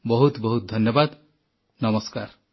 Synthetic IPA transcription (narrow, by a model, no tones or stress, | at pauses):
bɔɦut̪bɔɦut̪̚d̪ʱɔʌnjɔbad̪ | nʌmɔskaɾ